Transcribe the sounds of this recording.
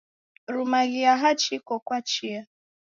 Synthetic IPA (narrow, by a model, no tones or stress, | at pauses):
ɾumaɣɪaɦat͡ʃikɔkʷat͡ʃia